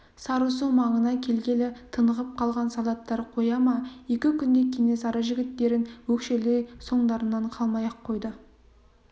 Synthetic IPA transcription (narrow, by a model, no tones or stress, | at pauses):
sɑɾus̬əŋmɑɴənɑkʲʰe̞lɡʲe̞lɪt̪ʰənəʁəp̚qʰɑlˠʁɑnsɑlˠɑt̪ːɑɾqʰo̞jɑmɑje̞kʲɪkʲʏnd̪e̞kʲʰe̞ŋe̞sɑɾəʒɪɡʲɪt̪ːe̞ɾɪnwɵkʃe̞lejso̞ɴd̪ɑɾənːɑɴqʰɑlˠmɑjɑqʰːo̞jd̪ə